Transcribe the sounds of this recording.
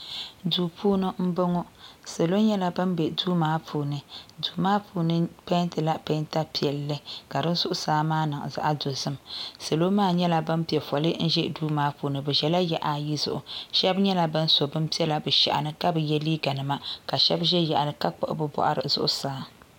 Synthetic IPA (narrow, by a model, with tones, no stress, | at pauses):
duː˨pʰuː˦nɨ˦m̩˦bo˦ŋɔ˦se˨lo˦ɲɛ˦la˦bɨ˦mbɛ˨duː˦maː˦pʰuː˨nɨ˨duː˨maː˦pʰuː˨nɨ˦pe˦ntɨ˨la˦pe˦nta˦pi˨ɛ˨lːɨ˦ka˨dɨ˦n˦zʊ˦ʔʊ˦saː˦maː˦nɨ˨ŋ̰˨za̰˦ʔa˦do˨zɨ˦msa˨lo˦maː˦ɲɛ˦la˦bɨ˦mpi˨ɛ˨fɔ˨lɨ˦n̩˦ʒɛ˦˨duː˦maː˦puː˨nɨ˨bɛ˨ʒɛ˨la˦jɛ˦ʔa˨ji˦zʊ̰˨ʔʊ˨ʃɛ˦bɲɛ˦la˨bɨ˦n˦so˨bɨ˦m˦pi˦ɛ˦la˨bɨ˨ʃɛ̰˨ʔa̰˨nɨ˦ka˦bɨ˨jɛ˦liː˦ɡa˨nɨ˨ma˦ka˨ʃɛ˦bʒɛ˦ja˨ʔa˨nɨ˨ka˦k͡pɔ̰˦˨ʔʊ̰˦bɨ˦bɔ̰˨ʔa̰˨ɾɨ̰˨z̥ʊ̰˦ʔʊ˦saː˦